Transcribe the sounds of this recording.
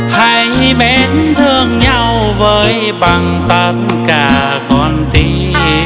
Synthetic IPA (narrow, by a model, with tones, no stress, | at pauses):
ha˧˩jɓɛ˨˦nt̪ʰɨ˧əŋɲa˧w | vəː˨˦j | ɓa˨˩ŋ | t̪ə˧˩t̚nkaː˧˩ | kɔ˧nt̪i˧